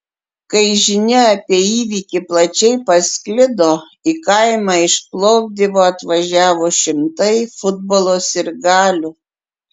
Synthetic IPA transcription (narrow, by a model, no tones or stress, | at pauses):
kɐɪʒʲɪnʲɛɐpʲiɛiːʋʲiːkʲɪplˠɐt͡ʃʲɛɪpɐsʲkʲlʲɪd̪oː | ikɐɪmɑːɪʃplˠɔʊp̚ʲd̪ʲiʋoːɐt̪ʋɐʒʲæːʋoːʃʲɪmt̪ɐɪfʊd̪̚bolˠoːsɪɾɡɑːlʲʊ